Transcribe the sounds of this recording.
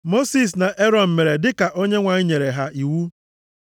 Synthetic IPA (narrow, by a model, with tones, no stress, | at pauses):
mo˦si˨s̬na˨ʔe˦ɾɔ˨m̩˨me˨ɾe˨dɪ˦ka˨ʔo˦ɲe˦ŋʷa˨ɲi˦ɲe˨ɾe˨ɦa˦ʔi˨wu˦